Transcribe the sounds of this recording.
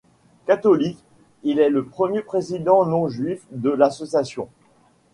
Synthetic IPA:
kat̪ɔlik | ilɛləpχəmjepχezid̪ɑ̃nɔ̃ʒɥifd̪əlasɔsjasjɔ̃

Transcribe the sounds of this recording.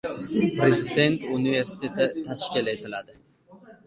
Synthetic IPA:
pɾezɪd̪e̞nt̪ʰunive̞ɾsɪ̥t̪ʰe̞t̪ʰɪt̪ʰaʃkʲile̞t̪ʰɪlad̪ɪ

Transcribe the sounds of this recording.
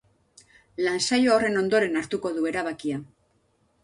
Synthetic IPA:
lansajoore̞no̞nd̪o̞ɾe̞naɾt̪uko̞ðue̞ɾaβakia

